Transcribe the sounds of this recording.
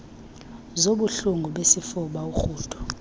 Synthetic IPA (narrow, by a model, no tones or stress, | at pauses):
zoɓuɬuŋɡʱuɓesifuɓauxuːtʰʼɔ̥